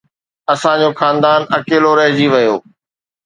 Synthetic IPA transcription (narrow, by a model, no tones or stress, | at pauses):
ɐsãd͡ʑoxaːnd̪aːnɐkeːloɾɐɦɪd͡ʑiʋɐjoː